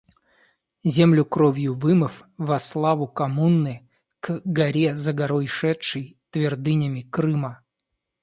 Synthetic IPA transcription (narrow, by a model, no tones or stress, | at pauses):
zʲemlʲʊkɾovʲjʊvɨmɨfvɐslˠavʊkɐmunːɨj | kɡɐɾʲezəɡɐɾojʂɛtʂɨjt̪vʲɪrd̪ɨnʲəmʲɪkɾɨmə